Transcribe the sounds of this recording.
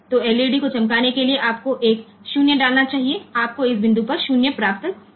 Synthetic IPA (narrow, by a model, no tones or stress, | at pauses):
t̪oːɛːleːɖikot͡ʃɐ̃mkaːnekelieʔaːp̚koʔeːk | ʃuːnjəɖaːlnat͡ʃaːɦieaːp̚koɪsbɪ̃nd̪upɐɾʃuːnjəpɾaːp̚t̪ə